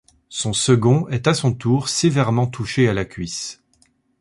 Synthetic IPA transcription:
sɔ̃səɡɔ̃ʔɛt̪asɔ̃t̪uʁsevɛʁmɑ̃t̪ʰuʃealakʲɥis

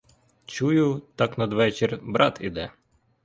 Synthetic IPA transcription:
t͡ʃujʊt̪ɑknɐd̪ʋɛt͡ʃerʲbɾʔɑt̪ḭd̪ɛ

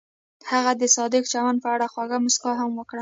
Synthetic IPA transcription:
haɣad̪əsɑd̪ɪkt͡ʃawanpəaɽaxwaɣamʊskɑɦamwəkɽə

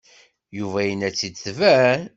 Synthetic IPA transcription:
juvæjənæt͡sːid̪θvæ

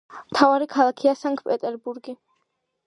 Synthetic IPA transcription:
mt̪ʰavaɾikʰalˠakʰiasaŋkpʼɛt̪ʼɛɾbuɾɡi

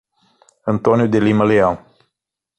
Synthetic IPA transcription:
ənt̪onijud̪eliməlejaw

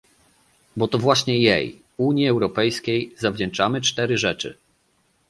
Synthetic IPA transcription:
bɔt̪ɔvwaɕɲɛjḛj | uɲjiɛwɾɔpɛjskʲejzavd͡ʑɛnt͡ʂamɘt͡ʂt̪ɛɾɘʐɛt͡ʂɘ̰

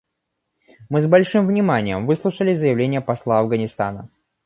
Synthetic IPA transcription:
mɨzbɐlʲʂɨmvnʲɪmanʲɪjəmvɨslˠuʂəlʲɪzəjɪvlʲenʲɪjəpɐslˠaɐvɡənʲɪst̪a̰nə

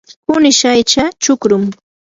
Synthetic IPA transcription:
pʊnɪʃajt͡ʃat͡ʃʊkɾʊm

